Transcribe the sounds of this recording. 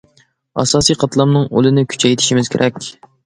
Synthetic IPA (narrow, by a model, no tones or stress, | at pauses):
ɑ̰sɑːsijqʰɑt̪lˠɑmnɨŋo̰lˠɨnɪkʲʰy̥t͡ʃʰɛjt̪ʰɪ̥ʃimɪz̥kʲʰeɾʔɛkʲ